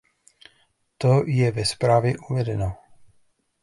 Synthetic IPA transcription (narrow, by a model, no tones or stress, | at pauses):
t̪ojɛvɛspɾaːvjɛʔuvɛdɛno